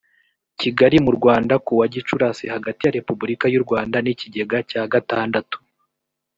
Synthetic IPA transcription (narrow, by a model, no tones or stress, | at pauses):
ciɡaɾimuɾɡwaːndakuwaɟit͡ʃuɾasihaɡatijaɾe̞pubuɾikajuɾɡwaːndaniciɟe̞ɡacaːɡataːndatu̥